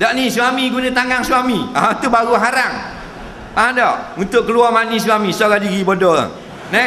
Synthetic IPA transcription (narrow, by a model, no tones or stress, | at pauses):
dɔʔniswamiɡunãt̪aŋaŋsuwamiaut̪uʔbaɾuɦaɾaŋ | adɔʔunt̪ʊʔkəluɔmanis̬wamisɔɡadiɡibodɔla̰ | nɛ